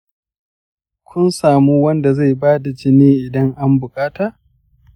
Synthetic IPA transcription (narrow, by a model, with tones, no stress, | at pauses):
kʷʊ˦nsaː˨muː˦wɐ˦nda˨za˦˨jbaː˦da˨d͡ʒɪ˦niː˦ʔɪ˨dɐ˦ŋʔa˦mbʊ˨kʼaː˦taː˨